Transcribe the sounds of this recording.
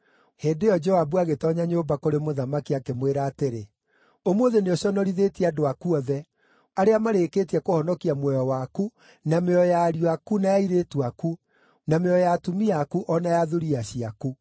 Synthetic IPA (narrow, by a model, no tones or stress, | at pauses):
heːndeɔd͡ʒɔabuaɣetɔɲaɲoːmbakoɾemoðamakiakemweɾaːteɾe | omoðeneɔɕɔnɔɾiðetiɛadoakuɔðɛ | aɾeamaɾekeːtiakohɔnɔkiamwɛjɔwaku | nameɔjaɾiwakunajaiɾetuaku | nameɔjatumiakuʔɔnajaðuɾiaɕiaku